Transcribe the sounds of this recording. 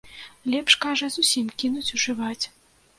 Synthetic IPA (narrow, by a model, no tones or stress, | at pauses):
lʲɛpʂkaʐɐzusʲimkʲinut͡sʲuʐɨvat͡sʲ